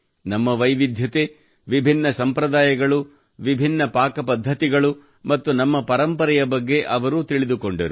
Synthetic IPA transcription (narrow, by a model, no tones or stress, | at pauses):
nɐmːɐʋɐjʋid̪ʱjɐt̪e | ʋibʱinːɐsɐmpɾɐd̪aːjɐɡɐɭu | ʋibʱinːɐpaːkɐpɐd̪ʱːɐt̪iɡɐɭu | mɐt̪ːunɐmːɐpɐɾɐmpɐɾɛjɐbɐɡːe̞ʔɐʋɐɾuːt̪iɭid̪uko̞ɳɖɐɾu